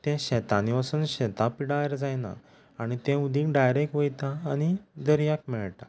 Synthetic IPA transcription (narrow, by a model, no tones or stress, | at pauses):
t̪ɛ̃ɕɛt̪aniʋasənɕɛt̪apiɽajɾd͡zajna̰ː | ɽ̃it̪ɛ̃ud̪ʱĩkɖajɾekʋojt̪ãːɽ̃id̪əɾjak̚mɛɭʈ̪a